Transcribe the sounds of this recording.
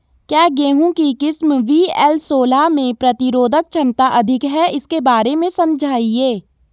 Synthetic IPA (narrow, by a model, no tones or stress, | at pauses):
kjaːɡeːɦũkikɪsmʋiɛːlsoːlamẽpɾɐt̪ɪɾoːd̪ʱək̚t͡ʃʰɐmt̪aʔɐd̪ʱɪkɦɛɪskebaːɾemẽsɐ̃md͡ʒʱaːieː